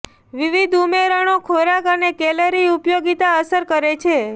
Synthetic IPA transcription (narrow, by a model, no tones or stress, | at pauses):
ʋiʋid̪ʱumeɾəɳ̃okʰoɾakənekɛləɾiupjoɡit̪aəsəɾkəɾet͡ʃʰe